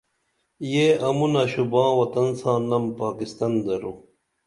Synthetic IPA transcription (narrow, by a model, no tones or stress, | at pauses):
jeʔɐmunɐɕubãːwɐt̪ɐnsãːnɐmpaːkist̪ɐnd̪ɐɾu